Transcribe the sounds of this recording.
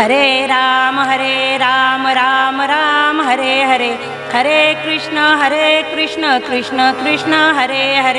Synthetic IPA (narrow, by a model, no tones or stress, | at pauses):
ɦɐɾeɾaːmɦɐɾeɾaːmɐɾaːmɐɾaːmɦɐɾeɦɐɾe | hɐɾeːkɾɪʂɳəɦɐɾeːkɾɪʂɳəkɾɪʂɳəkɾɪʂɳəɦɐɾeːɦɐɾ